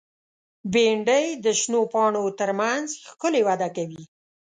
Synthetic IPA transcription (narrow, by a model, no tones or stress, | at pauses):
beɳɖəjd̪əʃnopɑɳot̪əɾmanzxkʊlewad̪akawi